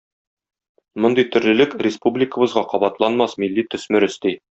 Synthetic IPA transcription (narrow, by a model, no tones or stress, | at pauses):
mŏnd̪ɤjt̪ɵ̆ɾlɘ̆lɘkrʲɪspublʲɪkə̆bɤ̆zʁɑqɒbɑt̪lˠɑnmɑsmilːit̪ɵ̆smɘ̆ɾɘ̆st̪i